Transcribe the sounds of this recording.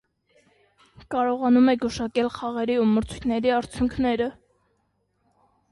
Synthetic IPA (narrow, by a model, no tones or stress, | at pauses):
kɑɾɔʁɑnumɛɡuʃɑkɛlχɑʁɛɾiuməɾt͡sʰujt̪ʰnɛɾiɑɾt͡sʰjuŋkʰnɛɾə